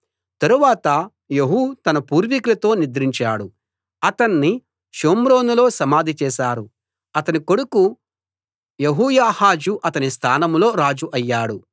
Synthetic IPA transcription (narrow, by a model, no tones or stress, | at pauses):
t̪ɐɾuʋaːt̪ɐ | jeɦuːt̪ɐnɐpuːɾʋiklɐt̪o̞ːnid̪ɾiɲt͡ʃaːɽu | ɐt̪ɐnːi | ʃoːmɾo̞ːnulo̞ːsɐmaːd̪ʱit͡ʃɛːʃaːɾu | ɐt̪ɐniko̞ɽuku | jeɦuːjaːhaːd͡ʒuʔɐt̪ɐnist̪ʰaːnɐmlo̞ːɾaːd͡ʒuʔɐjːaːɽu